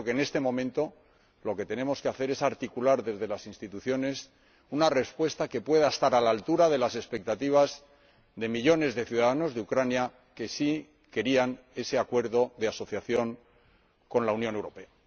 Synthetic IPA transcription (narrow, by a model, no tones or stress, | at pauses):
kene̞st̪e̞mõ̞mẽnt̪o̞ | lo̞ke̞t̪e̞ne̞mo̞ske̞aθe̞ɾe̞saɾt̪ikulaɾðe̞zðe̞lasinst̪it̪uθjo̞ne̞s | unare̞spwe̞st̪ake̞pwe̞ð̞aest̪aɾalalt̪uɾaðe̞lase̞spe̞k̚t̪at̪iβ̞az | ðe̞miʎo̞ne̞zðe̞θjuðaðano̞zðeukɾanja | ke̞si | ke̞ɾian | e̞seakwe̞ɾðo̞ðe̞aso̞θjaθjo̞ŋ | ko̞nlaunjone̞wɾo̞pe̞a